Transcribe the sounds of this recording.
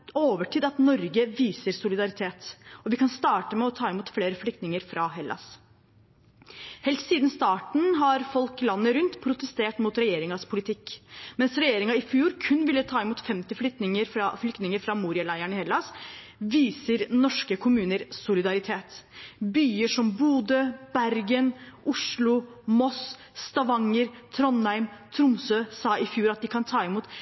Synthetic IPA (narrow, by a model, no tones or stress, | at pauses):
oːʋəʈʰiːd̪ɑt̪nɔɾɡəʋiːsəɾsʊlɪd̪ɑɾɪt̪ʰeːt̪ɔʋɪkɑnst̪ɑːʈəmɛɔt̪ʰɑːɪmuːt̪fleːɾəflʏkt̪nɪŋəɾfɾɑɦɛlʔɑ̰s | hɛlt̪siːd̪nst̪ɑːʈɳ̩ɦɑɾfɔlklɑnːəɾʉnt̪pʰɾʊt̪əst̪eːʈmuːt̪ɾɛjeːɾɪŋɑspʰʊlɪt̪ʰɪkːmɛnsɾɛjeːɾɪŋɑɪfjuːɾkʰʉnːʋɪlːət̪ʰɑːɪmuːt̪fɛmt̪ɪflʏkt̪nɪŋəɾfɾɑflʏkt̪nɪŋəɾfɾɑmuːɾɪɑlæɪæɳɪhɛlːɑs | ʋiːsəɾnɔʂkəkʰʊmʉːnəɾsʊlɪd̪ɑɾɪt̪ʰeːt̪byːəʂɔmbuːd̪øb̥æɾɡənʔʊʂɭʊ | mɔs | st̪ɑʋɑŋːəɾt̪ʰɾɔnhæɪmt̪ʰɾʊmsøːsɑːʔɪfjuːɾɑt̪̚d̪ɪkʰɑnt̪ʰɑːɪmuːt̪